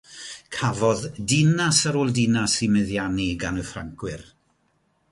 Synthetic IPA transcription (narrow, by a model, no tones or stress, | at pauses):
kʰavɔðdɪnasaɾoːlˠdɪnasimɨðjaniɡanəfra̰ŋkʰwɪr